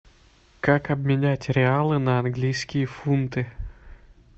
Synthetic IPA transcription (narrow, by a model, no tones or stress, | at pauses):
kakɐbʲmʲɪnʲætʲɾʲɪalˠɨnɐɐnɡlʲijskʲɪjəfunt̪ɨ